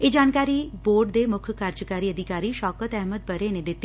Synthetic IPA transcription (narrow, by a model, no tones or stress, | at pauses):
ed͡ʒaːnkaːɾiboːɾɖd̪emʊkʰkaːɾd͡ʒəkaːɾiəd̪ʱɪkaːɾiʃɔːkət̪ɛɦməd̪̚bəɾened̪ɪt̪ːi